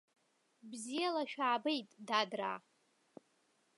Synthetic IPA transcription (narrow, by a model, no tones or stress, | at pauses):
bzijalaʃᶣaːbejtʼdadra